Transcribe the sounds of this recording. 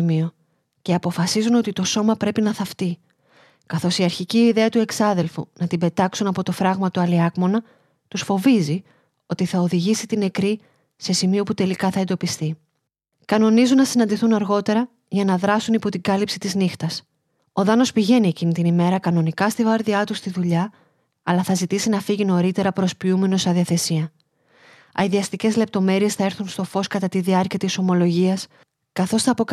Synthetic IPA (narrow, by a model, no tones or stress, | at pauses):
mio̞ | ceɐpo̞fɐsizuno̞t̪it̪o̞so̞mɐpɾe̞pinɐθɐft̪i | kɐθo̞siɐɾçiciːðe̞ɐt̪ue̞ksɐðe̞lfṵnɐt̪ibe̞t̪ɐksunɐpo̞t̪o̞fɾɐɣmɐt̪uɐliɐɣmo̞nɐ | t̪usfo̞vizi | o̞t̪iθɐoðiʝisit̪ine̞kɾi | se̞simio̞put̪e̞likɐθɐend̪o̞pist̪i | kɐno̞nizunːɐsinɐnd̪iθunɐɾɣo̞t̪e̞ɾɐ | ʝɐnɐðɾɐsunipo̞t̪iɡɐlipsi̥t̪iznixt̪ɐs | o̞ðɐno̞spiʝe̞nie̞cinit̪inime̞ɾɐkɐno̞nikɐst̪ivɐɾðiɐt̪ust̪iðuʎɐ | ɐlɐθɐzit̪isinɐfiʝino̞ɾit̪e̞ɾɐpɾo̞spiume̞no̞sɐðiɐθe̞siɐ | ɐiðiɐst̪ice̞zle̞p̚t̪o̞me̞ɾie̞sθɐe̞ɾθunst̪o̞fo̞skɐt̪ɐt̪iðiɐɾciɐt̪iso̞mo̞lo̞ʝiɐs | kɐθo̞sθɐːpo